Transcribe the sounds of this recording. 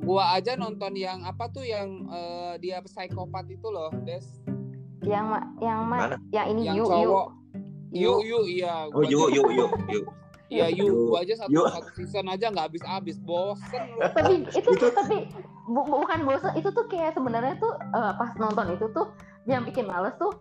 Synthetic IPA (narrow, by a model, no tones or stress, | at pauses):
ɡuaːd͡ʒanɔnt̪ɔnjaŋapat̪ujaŋədiapəsaikopat̪it̪ulɔhdɛs | jaŋmajaŋmajaŋinijajuɔɾɔ | jujuʔjaɡoujujuju | jajuad͡ʒasasənad͡ʒaŋɡaːbɪsabɪsbosənlt̪apiit̪ut̪ʊt̪api | bubukanbosənit̪ut̪ʊhkajaʔsəbənərɲat̪ʊhəːpasnɔnt̪ɔnit̪ut̪ʊh | jaŋbikɪnmaləst̪ʊh